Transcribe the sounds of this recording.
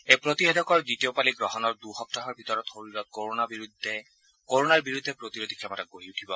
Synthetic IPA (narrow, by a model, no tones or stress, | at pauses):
ejpɹot̪iɦɛdɔkɔɹditiopaliɡɹɔɦɔnɔɹduxɔp̚taɦɔɹbʱitɔɹɔt̪xoɹilɔt̪̚koɹonabiɹudʱɛ | koɹonaɹbiɹud̪ʱːɛpɹot̪iɹodikʰɛmɔtaɡ̚ɡoɦiutʰibɔ